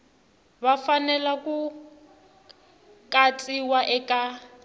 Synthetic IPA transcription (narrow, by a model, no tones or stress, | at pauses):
βafanɛlaku | kʼat͡sʼiwaʔɛkʼa